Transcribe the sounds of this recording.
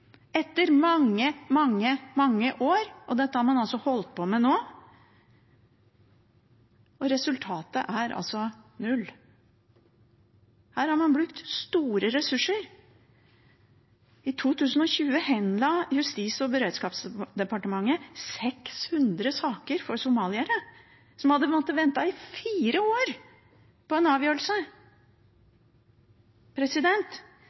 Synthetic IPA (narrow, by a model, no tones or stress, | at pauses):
ɛt̪ːəɾmɑŋːəmɑŋːəmɑŋːəʔoːɾʔɔd̪ɛt̪ːəhɑɾmɑnɑlsɔhɔlt̪̚pʰɔmɛnoː | ɔɾɛsʉlt̪ʰɑːt̪əʔæɾʔɑ̰lsɔnʉlː | hæːɾhɑɾmɑnblʉkt̪st̪uːɾəɾɛsʉʂːəɾ | ɪt̪ʰuːt̪ʰʉːsən̩ɔçʉːəhɛnlɑːjʉst̪iːsɔbəɾeːd̪skɑːpsd̪ɛpɑʈəmɑŋːəsɛkshʉnd̪ɾəsɑːkəɾfɔɾsʊmɑːlɪæɾə | sɔmhɑd̪ːəmoːt̪ːəʋɛnt̪ɑɪfiːɾəoːɾ | pɔɛnɑːʋjøːɾəlsə | pʰɾɛsɪd̪ɛnt̪